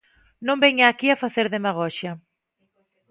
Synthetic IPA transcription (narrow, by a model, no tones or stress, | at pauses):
nõmbɛɲaːkiafaθeɾðemaɣ̞ɔʃɐ